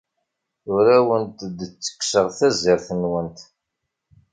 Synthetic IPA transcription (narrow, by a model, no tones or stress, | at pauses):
ʊɾæwənt̪d̪ət͡sːə̥kːsəʁθæzɪɾθənwənt̪